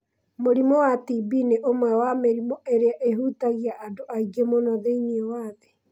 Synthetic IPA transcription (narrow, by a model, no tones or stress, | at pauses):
moɾimɔwatibineʔomwɛwameɾimɔeɾeaʔeɦutaɣiaʔːdoʔaiɡemonɔðeiɲiɔwaðe